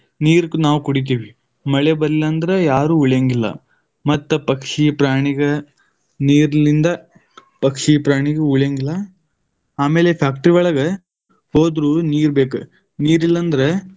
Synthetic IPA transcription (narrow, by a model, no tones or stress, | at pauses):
niːɾknaːʋukuɽit̪̬iːʋi | mɐɭebɐɾilːɐnd̪ɐɾejaːɾuːuɭjeːŋɡilːɐ̰ | mɐt̪ːɐpɐkʂipɾaːɳiɡɐ | niːɾɐlind̪ɐ | pɐkʂipɾaːɳiɡeuɭjeːŋɡilːɐ | aːmeːlepʰjaːk̚ʈɾiʋɐɭɐɡɐ | hoːd̪ɾuːniːɾbe̞ːku | niːɾilːɐnd̪ɐɾe